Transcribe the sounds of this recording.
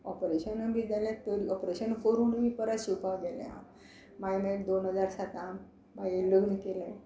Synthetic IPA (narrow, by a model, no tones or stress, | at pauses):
ɔpɾeɕənəbid͡zalẽt̪əɾiɔpɾeɕənfoɾuːnmipəɾasupaɡɛlḛã̰ | majmɛkd̪onɦəd͡zaɾsat̪am | bailəɡnəkelẽ